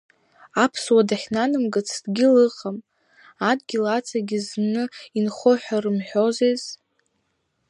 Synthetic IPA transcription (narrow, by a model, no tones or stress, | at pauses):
apʰswadaχʲnanɨmɡɨt͡sʰd̥ɡʲɪlɨqʼam | adɡʲilat͡sʰaɡʲiznɨinχoħʷᶣarɨmħᶣo̞zez